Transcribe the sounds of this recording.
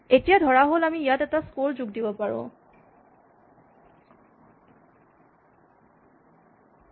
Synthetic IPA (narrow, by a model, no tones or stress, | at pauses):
etijadʱɔɹaɦolamiːjatɛtaskolzuɡdibɔpaɹʊ̰̃